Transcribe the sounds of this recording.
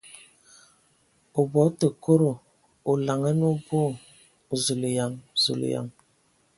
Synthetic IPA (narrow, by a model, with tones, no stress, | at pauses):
o˨bɔ˨˦tə˨ko˦ɾo˨ | o˨la˨ŋə˦nu˦bo˦˨ | zu˨li˨ja˨ŋzṵ˨lə̰˨ja̰˨ŋ